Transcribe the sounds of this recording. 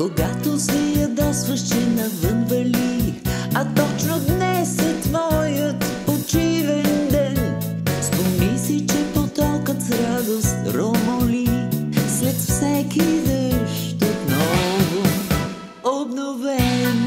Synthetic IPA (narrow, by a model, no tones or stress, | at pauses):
koɡat̪osɛjɐd̪ɔsvəʃɛnɐvənvəli | ɐt̪ɔt͡ʃnod̪nɛsət̪mɔjət̪pot͡ʃivɛnd̪ɛn | st̪omisit͡ʃɛpot̪ɔkət̪sɾad̪ost̪ɾomolislɛt̪fsɛkizəʃ | t̪ot̪nɔvo | obnovɛn